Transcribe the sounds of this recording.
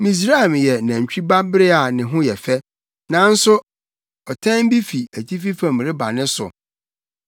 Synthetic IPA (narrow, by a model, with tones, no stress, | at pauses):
mĩ˨s̬ɾa˦˨mjɛ˨næ̃˨ɲ˨t͡ɕᶣi˦ba˦bɪ˦ɾɪ˦a˨nɪ̃˨ɦʊ̃˦jɛ˨fɛ˦ | nã˨˦n̩˦sʊ˦ | ɔ˨tʰɛ̃˦m˦bi˦fi˨æ˨t͡ɕʰi˦fi˦fã˨mɾɪ˦ba˨nɪ̃˦sʊ̰˨